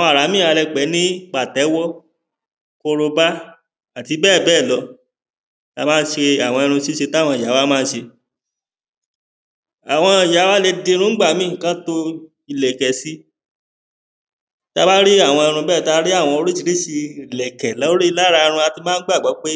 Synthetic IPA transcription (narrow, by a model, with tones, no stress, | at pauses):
ɔ̃˧a˨ɾa˨˦mĩ˦˨a˧lɛ˧k͡pɛ˨˦nĩ˦k͡pa˨tɛ˨˦wɔ˦ | ko˧ɾo˧ba˦ | a˨ti˧bɛː˦˨bɛː˦˨lɔ˧˦ | ta˧mãː˦n̩˦ʃe˧a˨w̃ɔ̃˧i˧ɾ̃ũ˧si˦ʃe˧ta˦˨wɔ̃˧˨a˨˦wa˦mãː˦˧˦ʃe˧ | a˨w̃ɔ̃˧˨ja˨˦wa˦le˧de˧ɾ̃ũ˦ɡ͡ba˦˨˦mĩ˦˨kã˦to˧ | i˧lɛ˨kɛ˨si˦ | ta˧ba˦ɾi˦a˦˨w̃ɔ̃˧i˧ɾ̃ũ˧bɛː˦˨ta˧˦ɾi˦a˦˨w̃ɔ̃˧o˧ɾi˦t͡ʃi˨˧ɾi˦˨ʃi˧i˨lɛ˨kɛ˨lɔ˨˦ɾi˦i˧la˦ɾa˧ɾ̃ũ˧a˧ti˧mãː˦ɡ͡ba˦˨ɡ͡bɔ˨˦k͡pe˦